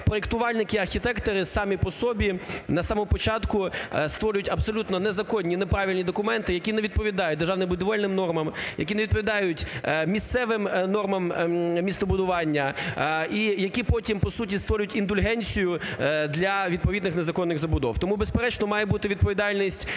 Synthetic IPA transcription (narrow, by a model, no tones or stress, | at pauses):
pɾɔekt̪ʊʋɑlʲnɪkɪɐrxʲit̪ɛkt̪ɔɾɪsɑmʲipɔsɔbʲinɐsɑmɔmɔpɔt͡ʃɑt̪kʊst̪ʋɔɾʊjʊtʲɐbsɔlʲut̪nɔnɛzɐkɔnʲːinepɾɑʋʲilʲnʲid̪ɔkʊmɛnt̪ɪjɐkʲinɛʋʲid̪̚pɔʋʲid̪ɑjʊt̚ʲd̪rʒɑʋnɪbʊd̪ɔʋɛlʲnɪmnɔrmɐmjɐ̰kʲineʋʲid̪̚p̬ɔʋʲid̪ɑjʊtʲmʲist̪sɛʋɪmnɔrmɐmmʲist̪ɔbʊd̪ʊʋɑnʲːɐ | ijɐkʲipɔtʲimpɔsutʲist̪ʋɔɾʲʊjʊtʲind̪ʊlʲɦɛnʲt͡sʲijʊd̪lʲɐʋʲid̪̚pɔʋʲid̪nɪxnezɐkɔnːɪɣzɐbʊd̪ɔ̰wt̪ɔmubespeɾɛt͡ʃnɔmɑjɛbut̪ɪʋʲid̪̚pɔʋʲid̪ɑlʲnʲisʲtʲ